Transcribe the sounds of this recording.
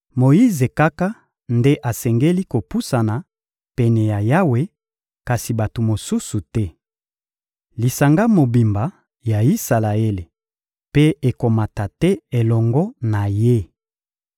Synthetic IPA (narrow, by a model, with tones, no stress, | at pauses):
mo˨ji˦ze˨ka˦ka˦ | nde˦ʔa˨sɛ˨ŋɡe˦li˦ko˨pu˦sa˨na˨ | pɛ˨nɛ˨ja˨ja˦we˦ | ka˨si˨ba˨to˨mo˨su˦su˨tɛ˦ | li˨sa˨ŋɡa˦mo˨bi˨mba˨˦ | ja˨i˦sa˨la˨e˦le˨ | pe˦e˨ko˨ma˨ta˨tɛ˦e˨lɔ˨ŋɡɔ˦na˨je˦